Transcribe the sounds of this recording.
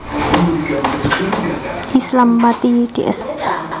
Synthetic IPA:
ʔislamːat̪id̪̥eʔɛs

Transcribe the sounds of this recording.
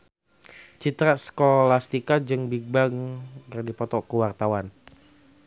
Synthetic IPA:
t͡ʃit̪ɾasə̥kolast̪ikad͡ʒɨŋbik̚baŋɡərdipɔt̪ɔkəwart̪awan

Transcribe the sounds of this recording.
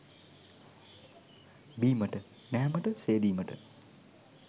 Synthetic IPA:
biːməʈə | nɛːməʈəseːd̪iːməʈə̰

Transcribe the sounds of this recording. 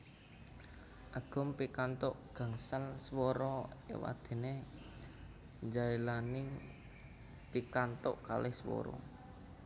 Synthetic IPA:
ʔaɡ̥ɔ̤mpikant̪ʊʔɡ̥a̤ŋsəlswɔɾɔḛwa̰d̪̥e̤ne | ɲd͡ʒailanɪŋ | pikant̪ʊʔkalɪhswɔ̰ɾɔ̰

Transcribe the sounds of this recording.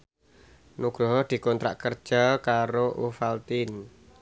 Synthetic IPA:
nuɡ̥ɾɔɦɔd̪̥i̤kɔnt̪ɾa̰ʔkərd̥ʒ̥akaɾoʔufalt̪in

